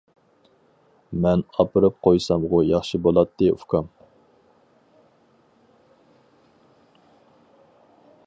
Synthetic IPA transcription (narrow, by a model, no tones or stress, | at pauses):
mɛnɑpɨɾɨp̚qʰojsɑmʁʊjɑχʃibolˠɑt̪ʰːɨṵkʰɑm